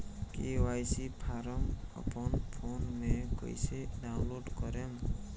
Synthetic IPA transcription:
kewajsipʰaɾəmə̰pənpʰonmekə̰jseɖaʊnloɖkɔɾem

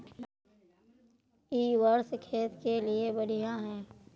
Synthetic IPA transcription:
iːwəɾskʰeːt̪keliebəɽijãɦɛ̃ː

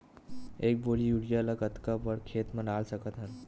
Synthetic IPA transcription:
eːk̚bolijuɽijaləɡət̪kəʋəɽkʰeːt̪mənaːlsəkət̪ɦən

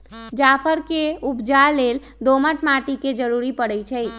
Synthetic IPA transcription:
d͡ʒapʰəɾkeupd͡ʒalel | d̪oməʈmaʈiked͡ʒəɾuɾipəɽəjt͡ʃʰəj

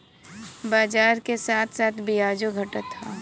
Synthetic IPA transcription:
baːd͡ʒaːɾkesaːt̪ʰsaːt̪ʰbiaːd͡ʒoɡʱɐʈət̪ʰːaː

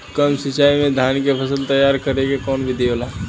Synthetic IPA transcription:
kəmsɪt͡ʃaːimẽd̪ʱaːnkepʰəsəlt̪ɐjaːɾkəɾeɡekɔːnbʱid̪eːolaː

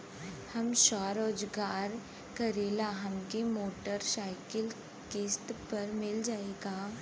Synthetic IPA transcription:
hɐmʃaːɾoːd͡ʒɡaːɾ | kɐɾeːlaɦɐmkemoːʈəɾsaːɪkəl | keːst̪pɐɾmɪld͡ʒaːeːɡaː

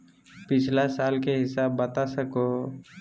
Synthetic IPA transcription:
pɪt͡ʃʰlasaːlkeɦɪsaːbːət̪asəko

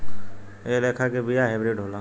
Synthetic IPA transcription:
eleːkʰakebijaɦɛbɾeːʈɦoːlãː

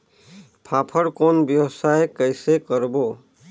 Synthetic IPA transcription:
pʰapʰəɽkonbjəwsajkəjsekəɾbo

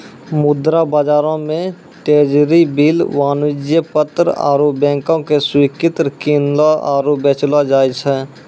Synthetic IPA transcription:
mʊd̪ɾabaːd͡ʒaːɾõmẽ | ʈeːd͡ʒɾibiːlʋaːnud͡ʒjəpət̪ɾa̰ːɾubɛ̃ːŋkõkeswiːkɪt̪ɾkiːnlaaːɾobeːt͡ʃlad͡ʒaːjt͡ʃʰɛː

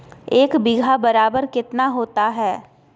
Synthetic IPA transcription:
eːkbɪɡʱabɐɾaːbəɾkɪt̪naɦoːt̪aɦɛː

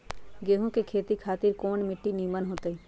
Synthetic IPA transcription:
ɡeːɦũkekʰeːt̪ikʰaːt̪ɪɾkoːɳmɪʈːiniːmənɦoːt̪ei

